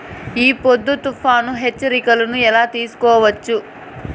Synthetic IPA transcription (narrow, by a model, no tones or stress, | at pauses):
iːpod̪ːut̪ufaːnuɦet͡ʃːɐɾikɐlɐnuɛlaːt̪iːsu̥kɔːʋɐt͡ʃːu